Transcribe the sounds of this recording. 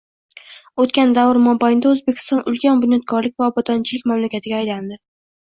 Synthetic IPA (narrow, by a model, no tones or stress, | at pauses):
ot̪kʲand̪avɪɾmɒmbajɪnd̪aɵzbekʲʰɪ̥st̪ɒnʔʊlkʲanbʊnjɒt̪̚kʰɒɾlɪkʲvaɒbɒd̪ɒnt͡ʃʰɪlɪkʲmamlakʲat̪ʰɪɡʲaːjland̪ɪ